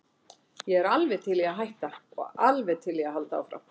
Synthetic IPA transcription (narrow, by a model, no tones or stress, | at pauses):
jɛɛɾalvɛðt̪ʰɪlɛɣaðɦajht̪aɔ̰ɣa̰lvɛðt̪ʰɪlɛɣaðɦalt̪aa̰wfɾa̰w